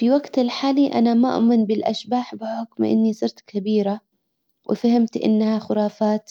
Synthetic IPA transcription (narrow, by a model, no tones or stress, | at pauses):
fiwaɡt̪ɪlħaːliʔa̰namaʔmɪnbɪlʔa̰ʃbaːħbɪħʊkmʔɪ̰nːisˤɨɾt̪kʰabiːɾa | wʔɪ̰fahɪmt̪ʔɪ̰nːhaxʊɾˤɑːfaːt̪